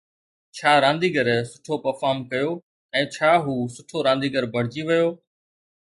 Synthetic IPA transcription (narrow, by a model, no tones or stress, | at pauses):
t͡ɕʰaːɾãːnd̪iːɡəɾsʊ̥ʈʰopɐɾfaːɾmkɐjoː | ɛ̃ːt͡ɕʰaːɦuːsʊʈʰoɾãːn̆d̪iːɡəɾbʱɐɽ̤d͡ʑiʋɐjoː